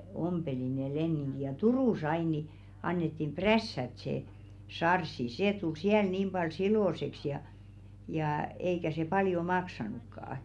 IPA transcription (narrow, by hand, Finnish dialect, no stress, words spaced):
ompeli ne lenːiŋɡ̊i jɑ turuˑs ɑin ni ɑnːetːim præsːæt se sɑrsːi seˑ tul siæl niːm b̥ɑl siloˑseks jɑ jɑː eikæ se pɑljo mɑksɑnukːɑː